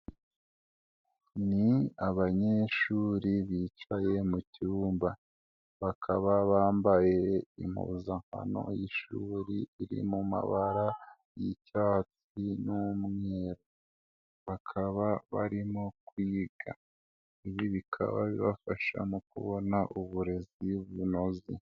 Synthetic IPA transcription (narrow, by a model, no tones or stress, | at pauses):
niaβaɲe̞ʃuːɾiβiːt͡ʃaje̞mucuːmba | βakʰaβaβaːmbaje̞im̥ṵzaŋ̥ha̰no̞̰jiʃuːɾiiɾḭmuma̰βaɾa | jicaːt͡s | inumŋeɾo | βakʰaβaβaɾimokwiːɡa̰ | iβiβikʰa̰βa̰βiβafaʃa̰mukṵβo̞naʔuβuɾe̞ziuβuno̞zḭ